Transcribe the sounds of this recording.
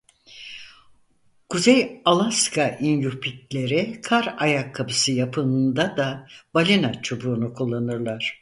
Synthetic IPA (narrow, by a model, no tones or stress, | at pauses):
kʰuzejalˠaskʰaʔinjupʰik̚lʲe̞ɾikʰaɾajakʰːapɯsɯjapʰɯɯnd̪ad̪abalʲinat͡ʃʰubuːnukʰulˠːanɯɾlˠaɾ̥